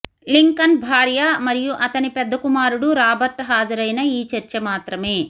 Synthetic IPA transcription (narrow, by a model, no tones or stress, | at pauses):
liŋkɐnbʱaːɾjɐmɐɾijuʔɐt̪ɐnipɛd̪ːɐkumaːɾuɽuɾaːbɐɾʈɦaːd͡ʒɐɾɐjnɐiːt͡ʃɐɾt͡ʃɐmaːt̪ɾɐme̞ː